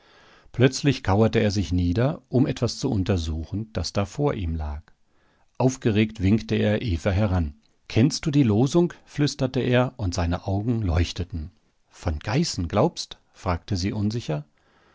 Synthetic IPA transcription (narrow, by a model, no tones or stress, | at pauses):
pʰl̥œt͡slɪçkʰaʊɐtəeːɐzɪçniːdɐʔʊmʔɛtv̥ast͡suʔʊntɐzuːxn̩d̥asd̥aːfoːɐʔiːmlaːk | ʔaʊfɡ̥əʁeːktv̥ɪŋktəeːɐʔeːfɐɦɛʁan | kʰɛnst̚d̥uːdiːloːzʊŋkflʏstɐtəʔeːɐʔʊntz̥aɪnəʔaʊɡŋ̩lɔʏçtətn̩ | fɔnɡ̥aɪsn̩ɡlaʊpst | fʁ̥aːk̚təziːʔʊnzɪçɐ